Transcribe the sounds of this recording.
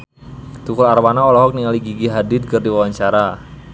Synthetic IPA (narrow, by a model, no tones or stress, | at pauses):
t̪ukʊlarwanaɔlɔɦɔk̚niŋaliɡiɡiɦadɪt̪̚kɨrdiwawaɲt͡ʃaɾa